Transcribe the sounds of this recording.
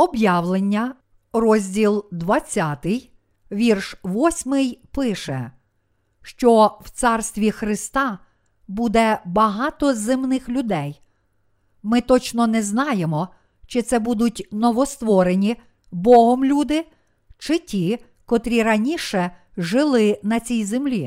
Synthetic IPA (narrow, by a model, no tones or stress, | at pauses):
ɔbjɑwlˠenʲːɐ | rɔzʲdʲilˠd̪ʋɐt͡sʲːɑt̪ɪj | ʋʲirʃʋɔsʲmɪjpɪʃɛ̰ | ʃt͡ʃɔw̥t̪sɑrst̪ʋʲixɾɪst̪ɑ | bud̪ɛbɐɦɑt̪ɔzɪmnɪxlʲʊd̪ɛj | mɪt̪ɔt͡ʃnɔnɛznɑjemɔ | t͡ʃɪt̪sɛbud̪ʊtʲnɔʋɔst̪ʋɔɾenʲi | bɔɦɔmlʲud̪ɪ | t͡ʃɪtʲi | kɔt̪ɾʲiɾɐnʲiʃɛ | ʒɪlˠɪnɐt͡sʲijzemlʲi